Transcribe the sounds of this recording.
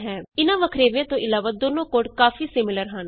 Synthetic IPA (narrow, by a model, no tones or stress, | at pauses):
ɦɛ̃ːɪnãːʋəkʰɾeːʋjãːt̪õːʔɪlaːʋaːd̪oːnõːkoːʈkaːfiːsɪmɪləɾɦən